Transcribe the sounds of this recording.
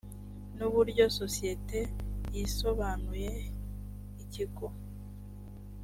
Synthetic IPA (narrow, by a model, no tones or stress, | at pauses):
nuβuɾɟo̞so̞sije̞te̞jiso̞βaːnuje̞ | iciko